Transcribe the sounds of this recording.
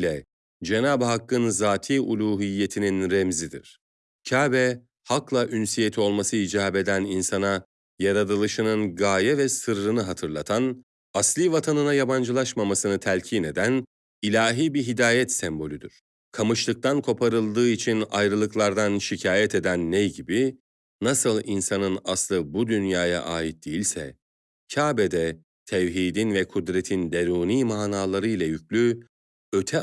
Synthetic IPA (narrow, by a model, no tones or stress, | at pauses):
lʲɛ | d͡ʒe̞naːbɦakːɯnzaːt̪ʰiːʔulʲˠuːɦijːe̞t̪ʰininɾemzid̪ḭɾ̥ | cʰaːbɛ | haklˠaʔynsije̞t̪ʰio̞lˠmasɯid͡ʒaːbe̞d̪æninsana | jaɾad̪ɯlˠɯʃɯnɯnɡaːjɛvɛsɯɾːɯnɯɦat̪ʰɯɾlˠat̪ʰan | aslʲiːvat̪ʰanɯnajaband͡ʒɯlˠaʃmamasɯnɯt̪ʰælʲcʰiːne̞d̪æn | ilʲaːɦiːbiɦid̪aːjɛt̪sɛmbo̞lʲyd̪yɾ̥ | kʰamɯʃlˠɯk̚t̪ʰankʰo̞pʰaɾɯlˠd̪ɯːit͡ʃʰinajɾɯlˠɯklˠaɾd̪anʃicʰaːjɛt̪ʰe̞d̪ænːejɟibi | nasɯlˠinsanɯnaslˠɯbud̪ynjaːja̰ʔaːjit̪̚d̪̥ejilʲsɛ̰ | cʰaːbed̪ɛ | t̪ʰɛvɦiːd̪invɛkʰud̪ɾet̪ʰind̪eɾuːniːmaːnaːlˠaɾɯjlʲˠajycʰlʲy | ø̞t̪ʰɛ